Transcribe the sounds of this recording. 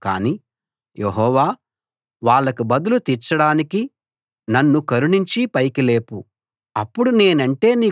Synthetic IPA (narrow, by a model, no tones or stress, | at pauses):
ka̰ːni | jeɦɔːʋaː | ʋaːɭːɐkubɐd̪ulut̪iɾt͡ʃɐɽaːniki | nɐnːukɐɾuɳiɲt͡ʃipɐjkile̞ːpu | ɐpːuɽune̞ːnɐɳʈe̞ːniː